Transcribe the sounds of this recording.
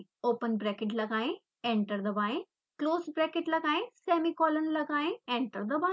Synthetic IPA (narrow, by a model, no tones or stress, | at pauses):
oːpənbɾɛːkɪʈ̬lɐɡaːẽ | ẽɳʈəɾd̪əbaːẽ | kloːsbɾɛːkeʈlɐɡaːẽsɛːmikɔːlənlɐɡaːẽẽɳʈəɾd̪əba